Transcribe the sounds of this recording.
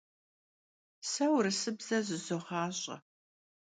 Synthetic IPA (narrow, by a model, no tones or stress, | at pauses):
sɐwɾɨsɨbz̥ɐʑɪzoʁɑːɕʼɐ̰